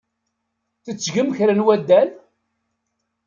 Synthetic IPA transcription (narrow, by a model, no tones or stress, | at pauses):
θət͡sːʝəmçɾənwæd̪ːæl